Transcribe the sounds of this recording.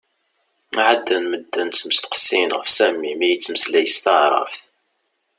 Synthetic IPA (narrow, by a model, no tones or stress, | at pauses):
æʕad̪ːənməd̪ːənsməst̪ə̥qə̥sːinʁəfsæmːimæjət͡sːmslæjəst̪ɑʕɾˤə̰fθ